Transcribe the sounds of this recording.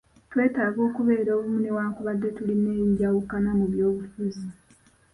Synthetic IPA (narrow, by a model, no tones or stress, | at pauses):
twe̞ːtaːɡo̞ːkuβe̞ːɾoːβumune̞waːŋkuβadːe̞tuline̞ːɟawukanamuβjo̞ːβufuzi